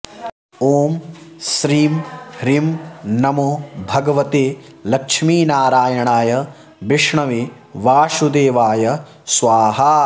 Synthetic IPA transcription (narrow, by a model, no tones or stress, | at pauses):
oːmsɾiːmɾimnɐmoːbʱɐɡɐʋɐt̪eː | lɐkʂmiːnaːɾaːjɐɳaːjɐ | biʂɳɐʋe | ʋaːʂud̪eːʋaːjɐ | sʋaːɦa